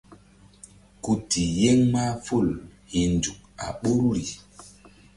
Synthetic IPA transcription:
ku˨ti˨je˦ŋma˦fu˦˨lhi˨nd͡ʒu˨k̚a̰˨ɓo˦ɾu˦ɾi˨

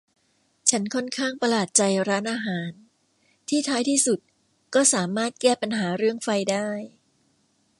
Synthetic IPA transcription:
t͡ɕʰa˦˥nkʰɔ˥˩nkʰaː˥˩ŋpa˧laː˨˩t̪̚t͡ɕa˧jɾaː˦˥nʔaː˧ɦaː˩˦n | t̪ʰiː˥˩t̪ʰaː˦˥jt̪ʰiː˥˩su˨˩t̪̚ | kɔː˥˩saː˩˦maː˥˩t̪̚kɛː˥˩pa˧nɦaː˩˦ɾɯ˥˩əŋfa˧jdaː˥˩j

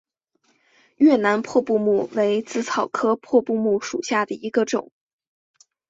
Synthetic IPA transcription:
ɥɛ˥˩na˧˥npʰwɔ˥˧pu˥˧mu˥˩we˧˥ɪt͡sɹ̩˥t͡sʰɑ˨˩ʊkʰɤ˥pʰwɔ˥˧pu˥˧mu˥˩ʂu˨˩ɕja˥˩d̪ə˩i˧˥ɡə˧ʈ͡ʂʊ̰˨˩˦ŋ

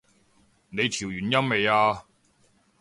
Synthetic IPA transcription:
ne˨˧jt̪ʰiː˨˩wjyː˨˩njɐ˥mːe˨˧jaː˧

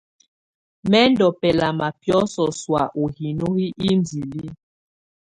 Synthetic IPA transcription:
mɛ˦ndɔ˨pɛ˨la˨ma˨pjɔ˦sɔ˨swa˨ʔo˨hi˨no˦hi˦ʔi˦n˨d͡zi˨li˦

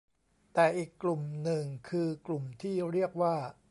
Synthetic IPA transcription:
t̪ɛː˨˩ʔiː˨˩kːlu˨˩mnɯ˨˩ŋkʰɯː˧klu˨˩mt̪ʰiː˥˩ɾi˥˩ək̚waː˥˩

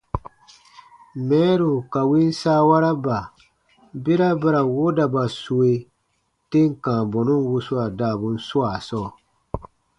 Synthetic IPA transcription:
mɛ̃˨˦ɾu˨ka˨wĩ˦n˦saː˦wa˦ɾa˦ba˨ | be˦ɾa˦ba˦ɾa˨wo˦da˨ba˨su˨e˨ | te˦ŋ̩˨kãː˨bɔ˨nũ˦nwu˧su˦a˨daː˦˨bu˨n̩˦su˦a˨sɔː˦˨

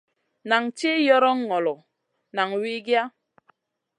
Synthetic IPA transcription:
na˨ŋt͡ʃi˦jɔ˦ɾɔ˦ŋːɔ˨lɔ˨ | na˨ŋwi˦ɡja˦

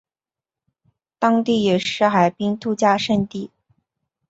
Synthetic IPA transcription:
t̪ɑ˥ŋt̪i˥˩jɛ˨˩ʂɻ̩˥˩xa˨˩ɪpi˥ŋt̪ʰu˥t͡ɕja˥˧ʂə˥˧nt̪i˥˩

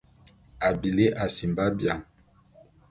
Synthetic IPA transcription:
a˨bi˨le˦ʔa˨si˨mba˦bja˨ŋ

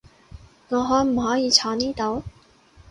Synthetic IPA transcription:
ŋɔː˨˧ɦɔː˨˥jm̩˨˩ɦɔː˨˥jiː˨˧t͡sʰɔː˨˧niː˥t̪o˨˥w

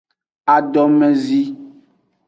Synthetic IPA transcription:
a˨ɖɔ˨mɛ̃˦zi˦

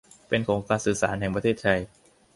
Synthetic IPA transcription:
pe˧nkʰoː˩˦ŋklaː˧nsɯː˨˩sa̰ː˩˦nɦɛ˨˩ŋpɾa˧t̪ʰeː˥˩t̪̚ʰa˧j

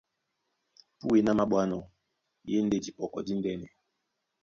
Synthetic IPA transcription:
pu˦e˨na˦ma˦ɓwa˦nɔ˨ | je˦n̩˦de˦˨di˨pɔ˨kɔ˨di˦n̩˦dɛ˦nɛ˨

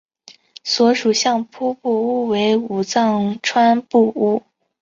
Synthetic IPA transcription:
swɔ˧˥ʂu˨˩ɕjɑ˥˩ŋpʰu˥pu˥˩u˥we˧˥ɪu˨˩t͡sɑ˥˧ŋʈ͡ʂʰwa˥npu˥˧u˥˩

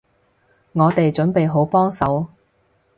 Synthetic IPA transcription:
ŋɔː˨˧t̪e˨jt͡ʃɵ˨˥npe˨jɦo˨˥wpɔː˥ŋsɐ˨˥w

